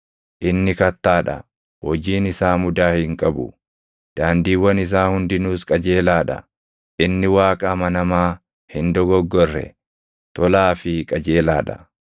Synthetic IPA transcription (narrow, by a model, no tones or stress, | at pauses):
ʔɪnːɪkɐt̪ːaːᶑɐ̰ | hɔd͡ʒiːnɪsaːmʊd̪aːhɪŋkʼɐbʊ̰ | d̪̥aːnd̪iːwɐnɪs̬aːhʊnd̪ɪnuːskʼɐd͡ʒe̞ːlaːᶑɐ̰ | ʔɪnːɪwaːkʼɐmɐnɐmaː | hɪnd̪ɔɡɔɡːɔrːɛ̰ | t̪ɔlaːfɪkʼɐd͡ʒe̞ːlaːᶑɐ̥̰